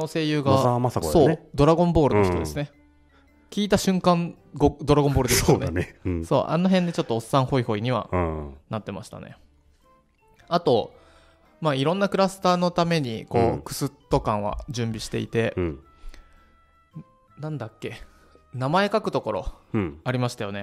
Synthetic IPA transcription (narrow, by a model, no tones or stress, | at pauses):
nose̞ːjɯ̟ːɡaamasaso̞ːd̪o̞ɾaɡõ̞mbo̞ːɾɯ̟noçit̪od̪esɨne | kʲiːt̪aɕɨ̃ŋkãn | ɡod̪o̞ɾaɡombo̞ːɾd̪eneneso̞̰ːʔa̰no̞ɦẽ̞nd̪e̞t͡ɕo̞t̪ːo̞ːsːãɰ̃ho̞iho̞iɲ̟iβa̰nat̪ːe̞ma̰ɕi̥t̪a̰nḛ | at̪o̞ | maːiɾõ̞nːakɯ̟ɾasɨ̥t̪aːno̞t̪ame̞ɲ̟iko̞ːkɯ̟̥sɨt̪ːo̞kãɰ̃βa̰d͡ʑɨ̃mbʲiɕi̥t̪e̞̰ḭt̪e̞ | nãnd̪akʲːe̞ | namae̞kakɯ̟̥t̪o̞ko̞ɾo̞̰aɾʲimaɕi̥t̪ajo̞ne̞